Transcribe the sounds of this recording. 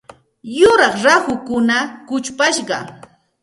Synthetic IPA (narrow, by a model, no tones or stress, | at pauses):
jʊɾɑχɾahʊkʊnakʊt͡ʃpaʃɢɑ̰